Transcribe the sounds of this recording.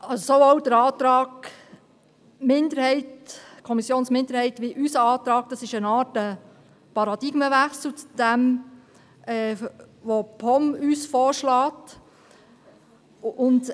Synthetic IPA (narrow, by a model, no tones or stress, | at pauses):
ɑssoowd̥əɾɑːt̪ɾɑːɡ | mɪndəɾhɛɪtkʰɔmisjoːnsmɪnd̪əɾhɛɪtʋiʔysəɑːt̪ɾɑːɡ̥̚d̥ɑsɪʃənɑːtə | pɑɾɑd̥ɪɡ̥məʋæχsl̩t͡sd̥æm | ɛːʋopʰɔmyːsfɔːɾʃlɑːt | ʊnd